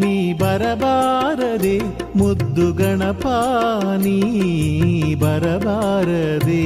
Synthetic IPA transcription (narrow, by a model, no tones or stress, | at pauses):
nibɐɾɐbaːɾɐd̪e | mud̪ːuɡɐɳɐpaːni | bɐɾɐbaːɾɐd̪e